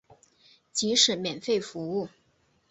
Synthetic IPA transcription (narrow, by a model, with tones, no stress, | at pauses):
t͡ɕi˧˥ʂɻ̩˨˩mjɛ˨˩nfe˥˩ɪfu˧˥u˥˩